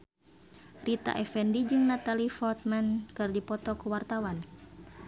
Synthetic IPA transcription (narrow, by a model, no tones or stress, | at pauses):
rʔit̪a̰ʔɛfɛndid͡ʒɨŋnat̪alifɔrt̪̚mankɨrdipɔt̪ɔkuwart̪awan